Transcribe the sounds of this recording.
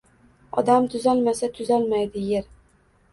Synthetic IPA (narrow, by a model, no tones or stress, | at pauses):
ɒd̪amt̪ʰʊzɒlˠmasat̪ʰʊzɒlˠmajd̪ɪjeɾ